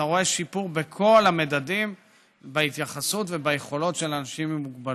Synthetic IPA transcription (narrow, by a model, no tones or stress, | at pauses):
aʁo̞e̞ʃipuʁbekʰo̞lamedadim | beit̪jaχasutve̞bajeχo̞lo̞tʃe̞lanaʃimemuɡbal